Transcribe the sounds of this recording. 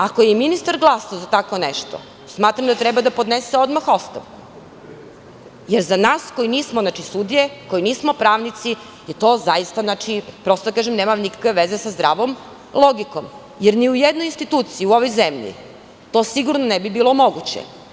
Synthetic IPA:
akojeiminist̪aɾɡlˠasaozat̪ako̞neʃt̪o̰ | smaːt̪ɾamd̪at̪ɾɛbad̪apod̪neseo̞d̪maxo̞st̪a̰ʋku̥ | jeɾzanaːskojiniːsmoznat͡ʃisud̪ijeko̞jiniːsmo̞pɾaːʋnit̪si | jet̪o̞ːzajist̪aznat͡ʃipɾo̞st̪od̪akaʒemneːmamnikḁkʋeʋezesazd̪ɾa̰ːʋo̞m | lˠoɡiko̰m | jeɾniujed̪nojinst̪it̪uːt̪siiuo̞ʋojzemʎḭ | t̪o̞siɡuɾnonɛbibiːlˠo̞mo̞ɡut͡ɕḛ

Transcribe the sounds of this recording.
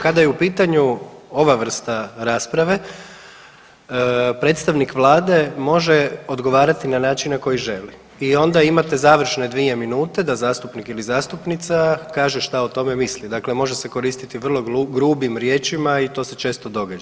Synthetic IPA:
kad̪ajeupiːt̪aɲuo̞ʋaʋr̩st̪aɾaːspɾaʋe̞ | pɾe̞t̪st̪aʋnikʋlˠaːd̪e̞mo̞ʒe̞o̞d̪ɡo̞ʋaːɾat̪inanaːt͡ʃinnːako̞jiʒe̞li | io̞nd̪aimat̪e̞zaːʋr̩ʃne̞d̪ʋie̞minuːt̪e̞d̪azaːst̪upnikilizaːst̪upnit̪sakaːʒeʃt̪aot̪o̞me̞mislid̪akle̞mo̞ʒese̞ko̞ɾist̪it̪iʋr̩lˠo̞ɡɾuːbimɾjeːt͡ʃimait̪o̞ːse̞t͡ʃe̞ːst̪o̞d̪o̞ɡad͡ʒa

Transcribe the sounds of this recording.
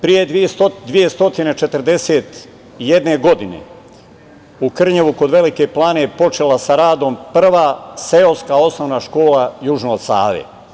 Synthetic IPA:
pɾijed̪ʋieod̪ʋije̞st̪o̞t̪ine̞t͡ʃe̞t̪rd̪e̞seːt̪ | ijed̪ne̞ɡo̞d̪ine̞̰ | ukr̩ɲeʋuko̞d̪ʋe̞like̞plˠaːne̞po̞t͡ʃe̞lˠasaɾaːd̪o̞mpr̩ʋaːse̞oskao̞snoʋnaːʃko̞ːlajuʒnoːsa̰ːʋḛ

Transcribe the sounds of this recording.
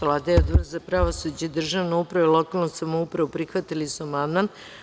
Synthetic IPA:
laːd̪aeod̪ʋrzapɾaʋosud͡ʑeid̪r̩ʒaʋnoupɾaʋilˠokalˠnosamoupɾaʋupɾixʋat̪ilisuamand̪man

